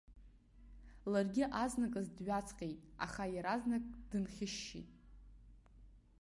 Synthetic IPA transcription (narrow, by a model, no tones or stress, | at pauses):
larɡʲɪʔaznakʼazdɥat͡sʰʼqʲʼejtʼa̰χajaɾaznakʼd̥ɨnχʲɪʃːḭtʼ